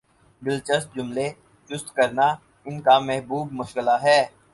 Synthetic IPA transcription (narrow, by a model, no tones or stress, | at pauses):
bɪlt͡ʃəst̪̚d͡ʒʊmle | t͡ʃʊst̪kɐɾna | ɪnkamɛɦbuːbmʊʃkɪlaɦɛː